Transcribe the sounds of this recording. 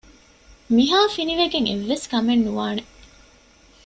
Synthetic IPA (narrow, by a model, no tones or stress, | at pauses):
miɦaːfiniʋeɡeŋḛʋːeskɐmenːuʋaːne